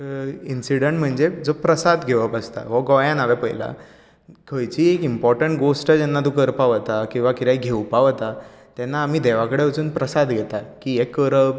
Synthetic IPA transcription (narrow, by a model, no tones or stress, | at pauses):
insiɽəɳʈm̤əɳd͡zed͡zopɾəsad̪ɡʱeʋəpəst̪a̰ʋɔɡɔjãnaʋepə̰jla̰ | kʰəjt͡ɕiːekimpɔɾʈəɳʈ̚ɡosʈəd͡ʑɛnːad̪ukəɾpaʋt̪akĩw̃ʋakit̪ajɡʱewpaʋt̪a | t̪jɛnːaːm̤iːd̪eʋ̤akəɽeʋət͡suːnpɾəsad̪ɡʱet̪akiːekːəɾə